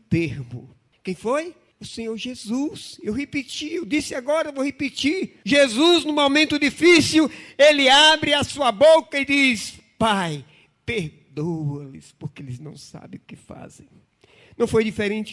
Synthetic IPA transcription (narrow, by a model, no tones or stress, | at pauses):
t̪eɾmʊ̰ | kẽj̃foj | ʊsẽɲoɾʒezusewɦepit͡ʃiewdisɪaɡɔɾɐvowhepit͡ʃiɾʒezuznʊ̃momẽnt̪ʊdifisiwelɪabɾɪɐsuɐbokɐɪdis | paj | peɾ | d̪oɐlɪ̰spoɾkɪelɪznɐ̰̃w̃sa̰bẽj̃ʊkɪfa̰zḛ̃j̃ | nɐ̃w̃fojdifeɾẽnt͡ʃɪ̥